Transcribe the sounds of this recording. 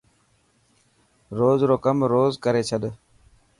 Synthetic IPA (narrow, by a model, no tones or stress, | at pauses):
ɾoːzɾoːkəmɾoːzkəɾeːt͡ʃʰəɗ